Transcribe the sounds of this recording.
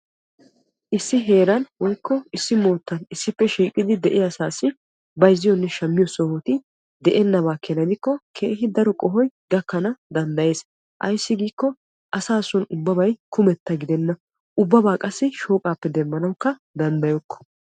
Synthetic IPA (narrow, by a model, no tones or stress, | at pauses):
ʔɪsːɪɦe̞ːɾɐnwɔjkːɔɪsːɪmo̞ːt̪ːɐnɪsːɪpːɛʃiːkʼɪd̪ɪd̪ɛʔɪɐsaːsɪ | bɐjzːɪjɔnːɛʃɐmːɪjɔsɔhɔt̪ɪ | d̪ɛʔɛnːɐβaːkʰɛnɐd̪ɪkːɔkʰeːhɪd̪ɐɾɔkʼɔɦɔjɡɐkːɐnɐd̪ɐnd̪ɐje̞ːs | ʔɐ̰jsːɪɡiːkːɔ | ʔɐsaːsɔnʊbːɐbɐjkʰʊmɛt̪ːɐɡɪd̪ɛnːɐ | ʔʊbːɐbaːkʼɐsːɪʃo̞ːkʼaːpːɛd̪ɛmːɐnɐwkːɐ | d̪ɐnd̪ɐjɔkːɔ̥